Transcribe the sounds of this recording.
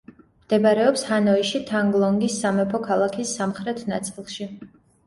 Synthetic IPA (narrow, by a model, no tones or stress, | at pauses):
md̪̥ɛbaɾɛɔpshanɔiʃit̪ʰaŋɡlˠɔŋɡisːamɛpʰɔkʰalˠakʰisːamχɾɛt̪ʰna̰t̪sʼilˠʃi